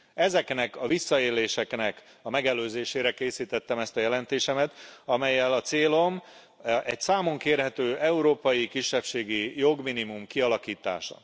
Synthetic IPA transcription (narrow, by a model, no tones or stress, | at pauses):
ɛzɛknɛkɒvisːɒeːleːʃɛknɛk | ɒmɛɡɛløːzeːʃeːɾɛkeːsiːt̪ɛt̪ːɛmɛst̪ɒjɛlɛnt̪eːʃɛmɛt̪ɒmɛjːɛlɒt̪seːlo̞m | ɛcsaːmo̞ŋkeːrɦɛt̪øːʔɛuɾoːpɒjikiʃːɛpʃeːɡijo̞ɡminimumkiɒlɒkiːt̪a̰ːʃɒ̰